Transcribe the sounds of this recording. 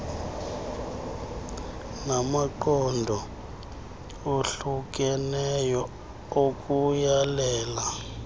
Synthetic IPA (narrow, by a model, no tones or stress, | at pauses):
namaǃɔndʱɔ | oɬuk̬ʼɛnɛjɔ | ok̬ʼujalɛːla